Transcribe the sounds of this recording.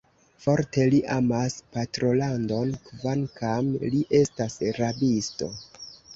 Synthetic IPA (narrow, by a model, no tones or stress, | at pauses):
fo̞ɾte̞liʔamaspatɾo̞lando̞nkvankʰamliʔe̞stasɾabisto̞̰